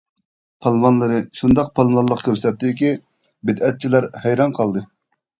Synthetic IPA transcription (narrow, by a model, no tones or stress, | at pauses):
pʰɑlˠmɑnlˠɨɾɨʃund̪ɑq̚pʰɑlˠvɑnlˠəqkʲʰøɾsɛt̪ːɪɪkʲi | bɪd̪ɛt̪̚t͡ʃʰilæɾhɛjɾɑnqʰɑlˠd̪ɨ